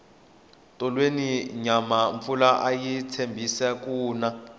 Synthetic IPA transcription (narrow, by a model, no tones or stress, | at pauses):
tʼɔlweniɲamaɱfulaʔajitʰembʱisɛk̬uːna